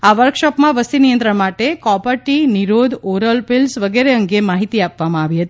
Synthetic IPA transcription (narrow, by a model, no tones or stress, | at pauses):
aʋəɾkʃɔpmãʋəst̪inijə̃nt̪ɾəɳmaʈekɔpəɾʈiniɾod̪oɾəlpɪlsʋəɡeɾeəŋɡemaɦit̪iapʋamãaʋiɦət̪i